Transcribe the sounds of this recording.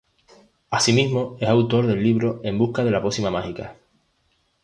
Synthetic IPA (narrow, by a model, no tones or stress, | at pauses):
asimiɦmo̞e̞sawt̪o̞ɾðe̞lːiβ̞ɾo̞e̞mbuhkað̞e̞lapo̞simamahika